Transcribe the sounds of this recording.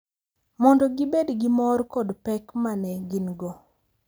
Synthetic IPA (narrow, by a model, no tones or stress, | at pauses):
mɔndɔɡɪbedɡimɔrkɔdpɛkmanɛɡɪnɡɔ